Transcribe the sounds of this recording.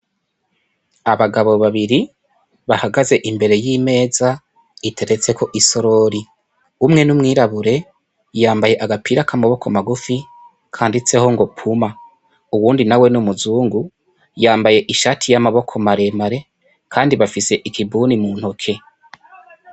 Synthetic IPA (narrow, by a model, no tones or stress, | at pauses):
aβaɡaβo̞βaβiɾi | βahaɡaze̞ʔimbe̞ɾe̞jiːme̞ːza | itʰe̞ɾe̞t͡se̞kʰo̞ʔiso̞ɾo̞ɾi | umŋe̞numŋiːɾaβuɾe̞ | jaːmbaje̞ʔaɡapiːɾakamaβo̞kʰomaɡufi | kʰaːndit͡se̞ho̞ŋɡo̞pʰuma | uwuːndinawe̞numuzuːŋɡu | jaːmbaje̞ʔiʃatʰijamaβo̞kʰo̞maɾe̞maɾe̞ | kʰaːndiβafise̞ʔikibuːnimuːn̥ho̞kʰe̞